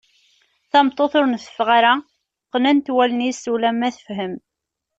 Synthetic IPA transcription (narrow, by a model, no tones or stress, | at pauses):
θɑmt̪ˤːoθʊɾnθə̥fʁaɾæ | qːnænt̪wælənisulæmːæθəfɦəm